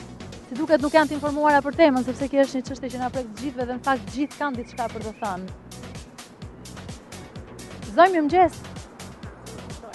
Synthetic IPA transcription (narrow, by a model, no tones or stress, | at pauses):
t̪id̪ukɛt̪̬nukjant̪əinfɔɾmuaɾapəɾt̪ɛməns̬ɛpsɛkəʃt̪ɲət͡ʃəʃt̪jɛt͡ɕənapɾɛk̚t̪ːəd͡ʑiθvɛðɛnəfak̚t̪ːd͡ʑiθkand̪iθʃkapəɾd̪ɔθan | zɔjməmd͡ʑɛs